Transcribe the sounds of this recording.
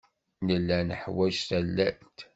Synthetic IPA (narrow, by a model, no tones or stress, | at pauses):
nəlːænəħwæʒθælːæt̪